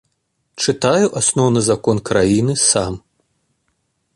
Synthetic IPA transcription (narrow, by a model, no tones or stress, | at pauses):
t͡ʂɨt̪ajuʔasnɔwnɨzakɔnkɾajinɨsam